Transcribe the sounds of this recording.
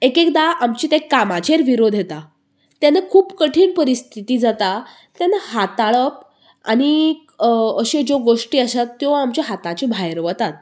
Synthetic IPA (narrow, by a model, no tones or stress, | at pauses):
ekekd̪aʔamt͡ɕiːt̪ekːamat͡ɕeɾʋiɾod̪ʱjet̪a | t̪janakʰuːpkəʈʰiːɳpəɾist̪ʰit̪iːd͡zat̪a | t̪janaɦat̪aɭəp̚ | a̰ɽ̃i | əɕed͡zoɡoʂʈiːəɕat̪ːjoamt͡ɕaɦat̪ãt͡ɕibʱajɾʋət̪at̪̚